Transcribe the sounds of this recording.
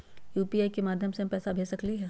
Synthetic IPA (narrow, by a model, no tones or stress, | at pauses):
juːpiaːikemaːd̪ʱjəmsepɛːsabʱeːsɐkliɦɛ